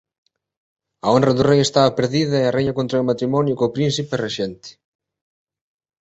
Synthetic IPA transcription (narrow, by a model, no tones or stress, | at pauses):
ɐonrɐðurejest̪aβɐpeɾðiðɐerejɲɐkont̪ɾaomat̪ɾimɔnjʊkopɾinsipereʃent̪ɪ̥